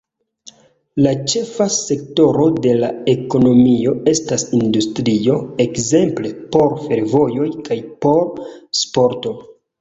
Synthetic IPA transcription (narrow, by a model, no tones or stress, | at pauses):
lat͡ʃe̞fase̞kto̞ɾo̞de̞lae̞ko̞no̞mio̞e̞stasindustɾio̞e̞kze̞mple̞po̞ɾfe̞ɾvo̞jo̞jkʰajpo̞ɾspo̞ɾto̞